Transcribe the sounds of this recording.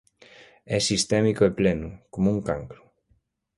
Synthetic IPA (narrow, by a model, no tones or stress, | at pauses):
ɛsist̪ɛmikoeplɛnʊkomuŋkaŋkɾʊ̥